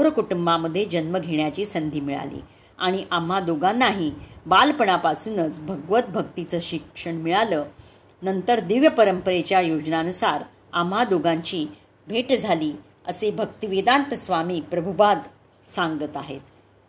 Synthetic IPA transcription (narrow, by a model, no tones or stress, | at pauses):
oɾəkuʈumbaməd̪ʱːjed͡ʑənməɡʱeɳjat͡ɕiːsənd̪ʱiːmiɭa̰lḭː | aɽ̃iʔam̤ːad̪oɡanːaɦiːbalpəɳapasuːnət͡sbʱəɡʋət̪̚bʱəkt̪it͡səːɕikʂəɳmiɭaləː | nənt̪əɾd̪iʋjəpəɾəmpəɾet͡ɕjajod͡ʑnanusaɾ | a̰m̤ːad̪oɡaɲt͡ɕiː | bʱeʈd͡zʱaliː | əsebʱəkt̪iʋid̪ant̪əsʋamiːpɾəbʱupad̪ | saŋɡət̪aɦḛt̪